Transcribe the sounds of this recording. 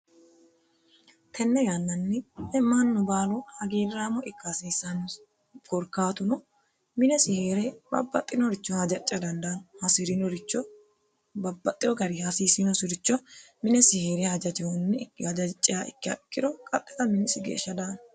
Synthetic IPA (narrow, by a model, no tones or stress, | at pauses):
t̪ʰɛnːɛjanːɐnːɪɛmːanːɔbaːlɔhɐɡiːɾɾaːmɔɪkːasiːsːɐnː | kɔɾkaːt̪ʊnɔ | mɪnɛsɪheːɾɛbɐ̰bːɐt̪ʼːɪnɔɾɪt͡ʃːɔhɐd͡ʒɐt͡ʃʼːɐd̪ɐnd̪ɐnhɐsɪɾɪnɔɾɪt͡ʃːɔ | bɐbːɐt̪ʼːɪjɔɡɐɾihɐsiːsɪnɔsɪɾɪt͡ʃːɔ | mɪnɛsɪheːɾɛhɐd͡ʒɐtɪhɔnːɪɐd͡ʒɐt͡ʃʼːɪjaːɪkːɪɐ̰ɪkːɪd̪ɔkʼɐt̪ʼːɛ̥t̪ɐmɪnɪsɪɡḛːʃːɐd̪an